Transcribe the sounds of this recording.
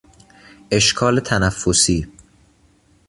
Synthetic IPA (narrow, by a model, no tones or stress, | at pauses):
ʔe̞ʃkʰɒːlet̪ʰænæfːosiː